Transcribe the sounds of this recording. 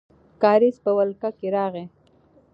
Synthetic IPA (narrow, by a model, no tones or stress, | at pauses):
kɑɾispəwalkakeɾɑːɣe